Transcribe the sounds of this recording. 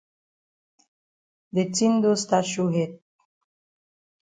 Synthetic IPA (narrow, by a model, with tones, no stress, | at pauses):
d̪e˨tĩ˦nd̪o˦sta˦ʃu˦ɦɛ˦d̚